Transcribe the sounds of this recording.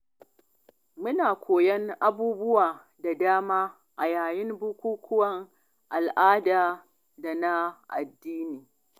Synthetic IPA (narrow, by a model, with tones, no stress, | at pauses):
mʊ˦naː˨kʷoː˨jɛ˦ŋʔa˦buː˦bʊ˦waː˨ | da˨daː˦maː˦ | ʔa˨jaː˨jɪ˦mbʊ˦kʷuː˦kʷʰʊ˦wɐ˦ŋ | ʔa˨lʔaː˦daː˨ | da˨na˦ʔa̰˨dːiː˦niː˨